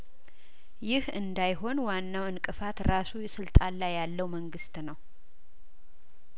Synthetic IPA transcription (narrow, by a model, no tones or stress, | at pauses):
jɪhɨnd̪ajɦo̞nwanːawɨnkʼɨfat̪ɾasujɛsɨlt̪ʼalajːalːəwməŋɡɨst̪nəw